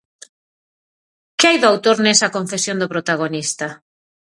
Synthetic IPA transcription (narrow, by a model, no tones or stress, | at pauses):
kɪajðʊawt̪oɾnɛsɐkoɱfesjond̪ʊpɾot̪aɣ̞onist̪a